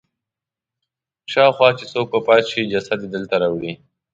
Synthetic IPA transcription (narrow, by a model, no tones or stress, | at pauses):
ʃɑwxwɑt͡ʃesok̚pəpɑt̪ʃid͡ʒasad̪ed̪əlt̪aɾɑwɽi